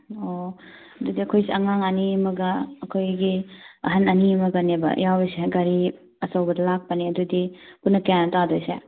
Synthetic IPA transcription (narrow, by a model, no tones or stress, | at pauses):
o | ɐdudiɐkʰojseɐŋaŋɐnimɐɡɐːkʰojɡiɐɦɐnɐnimɐɡɐnebɐ̰jawbeseɡɐɾi | ɐsɐwbɐdɐlak̚pɐniɐdudipunːɐkanɐtadojsḛ